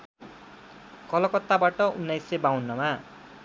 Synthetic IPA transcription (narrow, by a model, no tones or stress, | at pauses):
kʌlʌkʌt̪ːabaʈʌunːajsebawnːʌma